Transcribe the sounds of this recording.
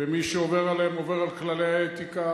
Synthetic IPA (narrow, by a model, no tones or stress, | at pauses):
emiʃeoveʁalemo̞ve̞ʁalklalejaet̪ika